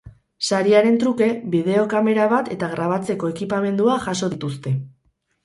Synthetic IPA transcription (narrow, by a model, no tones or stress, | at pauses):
saɾiaɾe̞nt̪ɾuke̞βiðe̞o̞kame̞ɾaβat̪e̞t̪aɣɾaβ̞at͡se̞ko̞e̞kipame̞nd̪uaʝaso̞ðit̪ust̪e̞